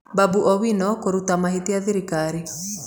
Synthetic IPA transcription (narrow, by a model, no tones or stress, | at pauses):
babuʔɔwinɔkoɾutamaɦeteaðiɾikaɾi